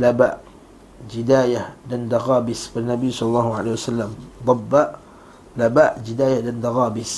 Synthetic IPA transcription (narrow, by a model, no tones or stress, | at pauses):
labaʔ | d͡ʒɪd̪aːjahdand̪aɣaːbɪsfanːabiːsˤɑlɑlːɑːhuʕa̰lahwasalːamd̪ˤɑbːaʔ | labaʔd͡ʒid̪aːjahdand̪aɣaːbɪs